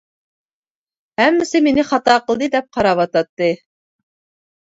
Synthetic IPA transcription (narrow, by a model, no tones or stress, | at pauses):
hæmːɪsɪmenɪχɑt̪ɑqəlˠd̪ɨd̪ɛp̚qʰɑɾɑβɑt̪ɑt̪ːɨ